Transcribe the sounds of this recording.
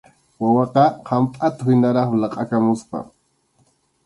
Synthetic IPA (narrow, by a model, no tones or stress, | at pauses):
wawɑqɑqʰampʼat̪ahɪnaɾɑχlɑqʼakamʊspa̰